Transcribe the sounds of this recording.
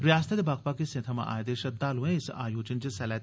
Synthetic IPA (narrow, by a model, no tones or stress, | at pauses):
ɾjaːst̪ʰɐt̪baːk̚pakesẽt̪ʰɐma̰ʔa̰ːjd̪eːʃɐt̪̚d̪aːluẽɪsa̰ːjoːt͡ʃənt͡ʃəsɛlɛ